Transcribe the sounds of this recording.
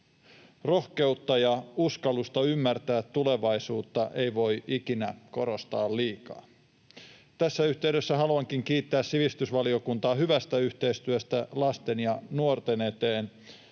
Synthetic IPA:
ro̞hke̞ut̪ːɑjɑuskɑlˑust̪ɑymːært̪æːt̪ːule̞ʋɑisuːt̪ːɑʔe̞iʋo̞jʔikinæko̞ɾost̪ɑːlliːkɑ̰ː | t̪æsːæyht̪e̞yɥdøsːæɦɑluɑŋkiŋkiːt̪ːæːssiʋist̪ysʋɑlio̞kunt̪ɑːhyʋæst̪æyht̪e̞ist̪yøst̪ælɑst̪enjɑnuort̪enet̪eːn

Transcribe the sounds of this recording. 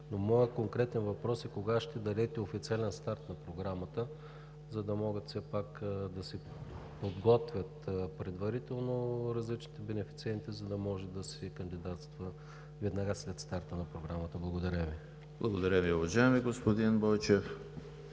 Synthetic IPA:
nomɔjɛkoŋkɾɛt̪ɛnvɐpɾɔsɛkoɡaʃt̪ɛd̪ɐlɛt̪ɛofit̪sialɛnst̪aɾt̪nɐpɾoɡɾamət̪ə | zɐd̪ɐmɔɡət̪fsɛpakd̪ɐsɛ | pod̪ɡɔt̪vʲət̪pɾɛd̪vɐɾit̪ɛlˠnoɾɐzlit͡ʃnit̪ɛbɛnɛfi̥t̪siɛnt̪izɐd̪ɐmɔʒɛd̪ɐsɛkɐnd̪id̪at̪st̪və | vɛd̪nɐɡaslɛt̪st̪aɾt̪ənɐpɾoɡɾamət̪əblˠɐɡod̪ɐɾʲəvi | blˠɐɡod̪ɐɾʲəmiʊvɐʒaɛmiɡospod̪inbɔjt͡ʃɛf

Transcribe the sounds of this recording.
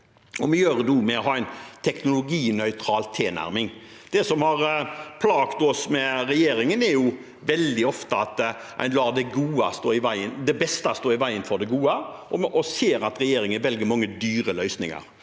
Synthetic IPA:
ɔmɛjøːɾəd̪uːmɛɔɦɑːæɪnt̪ʰɛknʊlʊɡiːnœʏt̪ʰɾɑːlt̪ʰeːnæ̰ɾmɪŋ | d̪̥ɛsɔmhɑɾpʰlɑːɡ̥t̪ɔsmɛɾɛjeːɾɪŋənɛjʊ | ʋɛld̪ɪɔft̪əɑt̪ʔæ̰ɪnlɑːd̪ɛɡuːɑst̪oːɾɪʋæɪənd̪ɛbɛst̪ɑst̪oːɾɪʋæɪənfɔd̪ɛɡuːəɔʔɔseːɾɑt̪ɾɛjeːɾɪŋənʋɛlɡəmɑŋːəd̪yːɾəlœʏsnɪ̰ŋɑ̰ɾ

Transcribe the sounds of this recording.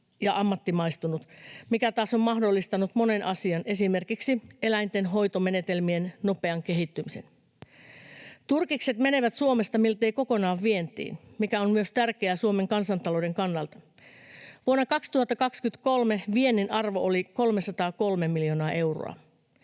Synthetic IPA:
jɑʔɑmːɑt̪ːimɑjst̪unut̪mikæt̪ɑːso̞mmɑhdo̞lːist̪ɑnut̪mo̞ne̞nʔɑsiɑnʔe̞sime̞rkiksie̞læjnt̪e̞nɦo̞jt̪ome̞ne̞t̪e̞lmie̞nno̞pe̞ɑŋke̞ɦit̪ːymise̞̰n | t̪urkikse̞t̪me̞ne̞ʋæt̪suome̞st̪ɑmilt̪eiko̞ko̞nɑːʋʋie̞nt̪ḭːnmikæonmyøst̪ærk̟eæsuome̞ŋkɑnsɑnt̪ɑlo̞de̞ŋkɑnːɑlt̪ɑ̥ | ʋuonːɑkɑkst̪uhɑt̪ːɑkɑkskyt̪ko̞lme̞ʋie̞nːinʔɑrʋo̞ʔoliko̞lmesɑt̪ɑːko̞lme̞miljo̞nɑːʔe̞wro̰ɑ̰

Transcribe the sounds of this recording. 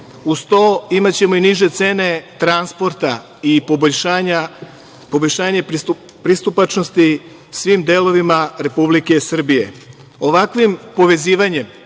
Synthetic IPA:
ust̪oimat͡ɕe̞mo̞iniʒe̞t̪se̞ːne̞t̪ɾanspo̞ɾt̪a | ipoboʎʃaːɲa | po̞boʎʃaːɲe̞ | pɾist̪upat͡ʃnost̪i | sʋiːmd̪eːlo̞ʋimaɾe̞publike̞sr̩bije̞̰ | o̞ʋakʋimpo̞ʋe̞ziːʋaɲe̞m

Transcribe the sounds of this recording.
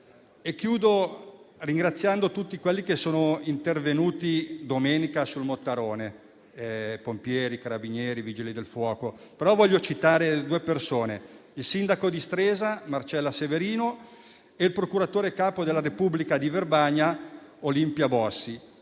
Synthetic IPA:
ekːjuːd̪oriŋɡɾat̪sːjand̪ot̪ut̪ːikwelːikesoːnoint̪ervenuːt̪id̪omeːnikasulmot̪ːaɾoːne | ɛpompjɛːɾikaɾabinjɛːɾiviːd͡ʒilid̪elfwɔːko | peɾɔvɔʎːot͡ʃit̪aːɾed̪uːepersoːneilsind̪akod̪ist̪ɾeːzamart͡ʃɛlːaseveɾiːno | eilpɾokuɾat̪oːɾekaːpod̪elːaɾepublikad̪iverbaɲːaolimpjabɔsːi

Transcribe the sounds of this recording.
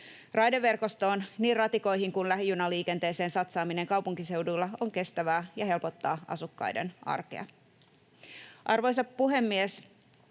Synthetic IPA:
rʔɑjdeʋːe̞rko̞st̪o̞ːnniːrɑt̪iko̞jɦiŋkunlæɦjunɑliːke̞nt̪eːse̞ːnsɑt̪sɑːmine̞ŋkɑwpuŋkise̞wdujlːɑoŋke̞st̪æʋæːjɑɦe̞lpo̞t̪ːɑːʔɑ̰sukːɑ̰jde̞̰nɑ̰rkḛɑ̰ | ʔɑrʋo̞js̬ɑpːuɦe̞mːies

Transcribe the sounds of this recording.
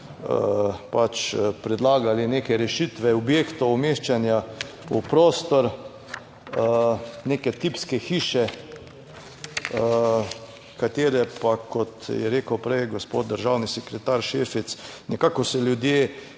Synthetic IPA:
əpat͡ʃpɾɛd̪laːɡalineːkɛɾɛʃit̪ʋɛɔbjeːkt̪oːmeʃt͡ʃanja | upɾoːst̪ɔɾ | ənekɛt̪ipskɛxiːʃɛ | ə | kat̪eːɾɛpakɔt̪jɛɾeːkəwpɾɛjɡospo̰td̪̚d̪əɾʒawnisɛkɾɛt̪aɾʃefit̪snɛkaːkɔsɛljʊd̪jeː

